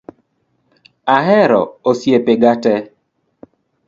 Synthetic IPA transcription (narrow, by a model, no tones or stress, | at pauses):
aɦɛɾɔ̰osjepeɡatɛ